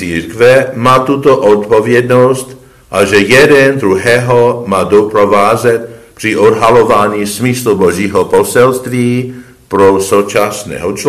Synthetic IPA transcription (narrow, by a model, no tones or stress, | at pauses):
iːɾkvɛmaːt̪ut̪oʔot̪povjɛd̪nost̪ | ʔaʒɛjɛdɛnd̪ɾuɦɛːɦomaːdopɾovaːzɛt̪̚pr̥iʔodɦalovaːɲiːsmisluboʒiːɦoposɛlst̪viː | pɾosowt͡ʃasnɛ̰ːɦot͡ʃ